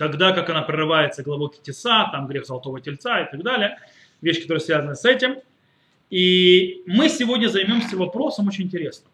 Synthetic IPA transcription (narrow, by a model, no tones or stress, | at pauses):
t̪ɐɡd̪akakɐnapɾəɾɨvajɪt̪səɡəlˠɐbo̞kʲɪtʲɪsat̪amɡɾʲe̞xzəlˠɐt̪o̞vətʲɪlʲt̪saɪt̪ɐɡd̪alʲɪjə | vʲeɕːkɐt̪o̞ɾəjəsvʲazənəsɛtʲɪm | imɨsʲɪvo̞dʲnʲəzɐjmʲo̞msʲəvɐpɾo̞səmot͡ɕɪnʲɪntʲɪɾʲe̞snəm